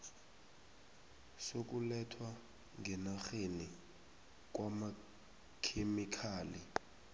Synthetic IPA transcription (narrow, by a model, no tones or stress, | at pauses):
sok̬ʼulɛtʰwa | ŋʱɛnaxeni | k̬wama | kʰemikʰaːli